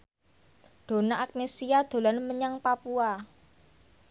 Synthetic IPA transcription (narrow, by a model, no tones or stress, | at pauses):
ɖ̥o̤naʔak̚nesiad̪̥o̤lanməɲaŋpapua